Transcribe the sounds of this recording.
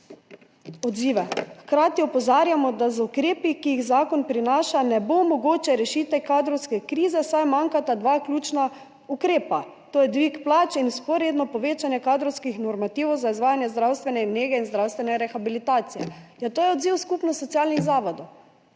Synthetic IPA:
ɔd̪ziːʋɛxkɾaːt̪iɔpɔzaːɾjamɔd̪azukɾeːpikijiɣzaːkɔnpɾinaːʃanɛbomɔɡoːt͡ʃɛɾɛʃiːt̪ɛkaːd̪ɾɔwskɛkɾiːzɛsajmaŋkat̪ad̪ʋakljuːt͡ʃna | ukɾeːpa | t̪oːjɛd̪ʋikplaːt͡ʃinspɔɾjed̪nɔpɔʋeːt͡ʃanjɛkaːd̪ɾɔwskixnɔɾmat̪iːwzaizʋaːjanjɛzd̪ɾawst̪ʋɛnɛmneːɡɛinzd̪ɾawst̪ʋɛnɛɾɛxabilit̪aːt̪sijɛ̰jat̪oːjɛɔd̪ziwskupnɔsɔt̪ijalniɣzaːʋɔd̪ɔw

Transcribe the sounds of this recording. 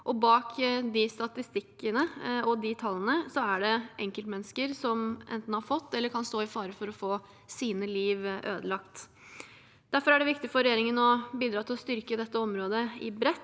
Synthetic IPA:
ʔɔbɑːkd̪ɪst̪ɑt̪ɪst̪ɪkːənəɔd̪ɪt̪ʰɑlːənəsɔæɖɛʔɛŋkəlt̪mɛnːəskəɾsɔmʔɛ̰nt̪n̩hɑɾfɔt̪ːɛlːəɾkʰɑnst̪oːɪfɑːɾəfɔɾɔfoː | siːnəliːʋʔøːd̪əlɑkt̪ | d̪̥æɾfɔɾæɖɛʋɪkt̪ɪfɔɾɛjeːɾɪŋənɔbiːd̪ɾɑːt̪ʰɪlɔst̪ʏɾkəd̪ɛt̪ːəɔmɾoːd̪əɪ̰bɾɛt̪ː

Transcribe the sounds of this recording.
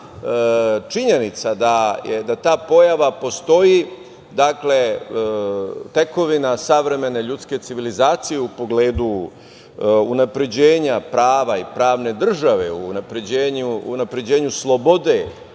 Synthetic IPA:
t͡ʃiɲe̞nit̪sad̪ajed̪at̪aːpo̞jaʋapo̞st̪o̞ji | d̪akle̞ | t̪e̞ko̞ʋinasaʋɾe̞me̞ne̞ʎut̪ske̞t̪siʋilizaːt̪sijeupo̞ɡleːd̪u | unapɾe̞d͡ʑeːɲapɾaːʋaipɾaːʋne̞d̪r̩ʒaʋe̞uːnapɾe̞d͡ʑeːɲuːnapɾe̞d͡ʑe̞ːɲuslˠo̞bo̞d̪e̞

